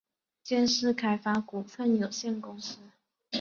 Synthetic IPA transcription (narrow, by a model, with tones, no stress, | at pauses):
t͡ɕjɛ˥nʂɻ̩˥˩kʰa˥ɪfa˥ku˨˩fə˥˩njo˨˩ʊɕjɛ˥˩nkʊ˥ŋsɹ̩˥